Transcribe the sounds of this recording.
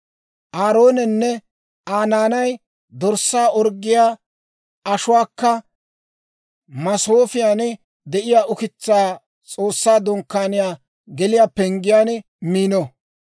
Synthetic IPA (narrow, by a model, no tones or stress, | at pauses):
ʔaːɾo̞ːnɛnːɛ | aːnaːnɐj | d̪ɔɾsːaːʔɔɾɡːɪjaː | ʔɐʃʊwaːkːɐ | mɐsoːfɪjaːn | d̪ɛʔɪjaːʔʊkɪt͡sːaː | t͡sʼoːsːaːd̪ɔŋkːaːnɪjaː | ɡɛlɪjaːpɛŋɡɪjaːn | miːnɔ